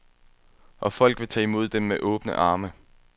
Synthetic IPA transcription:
ʔɒ̽fɒ̽l̰ɡ̥ʋe̝t͡sʰɛːimo̝ð̞̰ˠd̥emːeʔɔ̽ːb̥nə̰ʔɑ̈ːmə

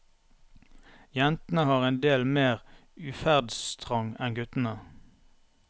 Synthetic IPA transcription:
jɛnt̪n̩əhɑːʁeːnd̪eːlmeːʁʉːfæʁd̪sst̪ʰʁɑŋɛnɡʉt̪n̩ə

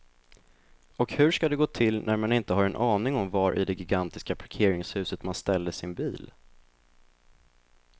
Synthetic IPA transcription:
ɔkhɵʂkad̪ɛɡoːt̪ʰɪlːnʔæɾmanɪnt̪əɦaɾɛnʔɑːnɪŋɔmvaɾʔɪ̰d̪ɛɡɪɡant̪ɪskapʰaɾkʰeːɾɪŋshʉ̟ːsət̪manst̪ɛld̪əsɪnbiːl

